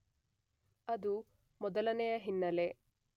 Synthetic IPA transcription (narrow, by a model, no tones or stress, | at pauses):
ɐd̪u | mɔd̪ɐlɐnɛjɐɦinːɐle